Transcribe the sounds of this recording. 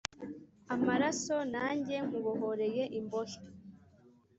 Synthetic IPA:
amaɾaso̞naːɲɟe̞ŋ̥uβoɦoɾe̞je̞ʔimbo̞ʃḁ

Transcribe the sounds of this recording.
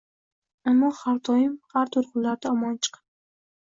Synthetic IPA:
amːɒhaɾt̪ʰɒjɪmhaɾt̪ʰʊɾqʊnlːaɾd̪aɒmɒnt͡ʃʰɨ̥qʰɑ̥n

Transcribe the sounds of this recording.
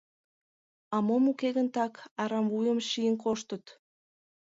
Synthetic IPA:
ɑmomukeɣənt̪ɑkɑɾɑmvujə̆mʃijənkoʃt̪ət̪

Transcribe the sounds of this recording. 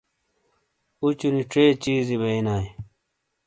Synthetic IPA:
ut͡ɕuniʈ͡ʂeːt͡ɕiːziβeinaːj

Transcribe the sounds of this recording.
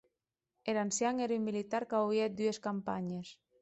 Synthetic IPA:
elansjaŋeɾymːilit̪aɾkawjet̪̚d̪yeskampaɲes

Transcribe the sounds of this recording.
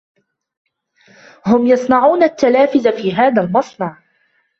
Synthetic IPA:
hʊmjɑsˤnɑʕuːnat̪ːalaːfɪðafiːɦaːðalmɑsˤnɑʕ

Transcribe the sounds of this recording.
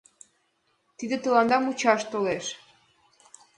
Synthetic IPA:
t̪id̪ĕt̪ə̆lɑnd̪ɑmut͡ɕɑʃt̪oleʃ

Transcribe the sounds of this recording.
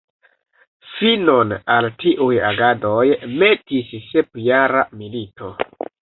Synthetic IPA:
finonaltiʔujaɡado̞jme̞tisse̞pjaɾamilito̞

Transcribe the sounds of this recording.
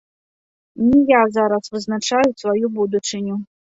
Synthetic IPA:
nʲijazaɾasvɨznat͡ʂajusvajubud̪ut͡ʂɨnʲu

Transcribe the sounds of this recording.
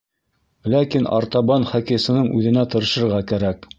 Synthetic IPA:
lækinɑ̰ɾt̪ɑβɑnχɑkisɤ̆nɤɴʔʉðɘ̆næt̪ɤ̆ɾɤ̆ʃɤ̆ɾʁɑkæɾæk

